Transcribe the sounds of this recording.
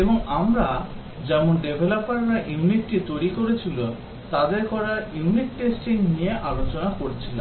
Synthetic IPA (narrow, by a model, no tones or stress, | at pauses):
eboŋamɾa | d͡ʑɛmonɖebʱelopaɾɾaʔjiuniʈʈit̪ojɾikoɾet͡ɕʰilo | t̪ad̪eɾkɔɾajuniʈːesʈiŋnijeʔalot͡ɕonakoɾet͡ɕʰila̰m